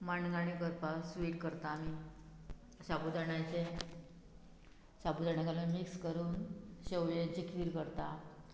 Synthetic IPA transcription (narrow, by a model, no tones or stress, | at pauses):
maɳɡaɽ̃ikəɾpasʋiːʈkəɾt̪aːmi | ɕabud̪aɽajt͡ɕe | sabud̪aɽakalamikskəɾuːnɕewjed͡ʑikʰʋiːɾkəɾt̪a